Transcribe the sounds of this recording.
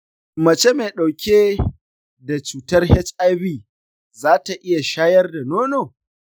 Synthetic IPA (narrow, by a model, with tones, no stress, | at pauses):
mɐ˨t͡ʃe˦meː˨ɗa˨wkʲʰeː˦ | da˨t͡ʃuː˨tɐ˦rhɛ˦t͡ʃa˦biː˨ | zaː˦ta˨ʔɪ˦ja˨ʃaː˦jɐ˦rda˨noː˦noː˨